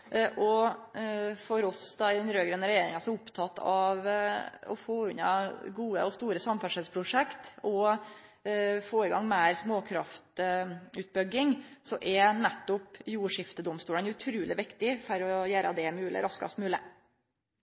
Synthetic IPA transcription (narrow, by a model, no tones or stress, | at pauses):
ʔɔ | fɔɾɔsd̪ɑd̪ɛnɾøːɡɾɛnːəɾɛjeːɾɪŋɑsɔʊpt̪ʰɑt̪ːɑʋɔ̰foːʉnɑ̰ɡuːə̰ɔst̪uːɾəsɑmfæʂəlspʰɾʊʂɛkt̪ɔ | foːɪɡɑŋmæːɾsmoːkʰɾɑft̪ʉːt̪̚bʏɡɪŋsɔʔɛnɛt̪ːʊpjuːʂɪft̪əd̪ɔmst̪uːlənʉt̪ʰɾʉːlɪʋɪkt̪ɪfɔɾɔjæːɾɑd̪ɛmʉːlʔɪ̰ɾɑskɑ̰st̪mʉːlɪ̰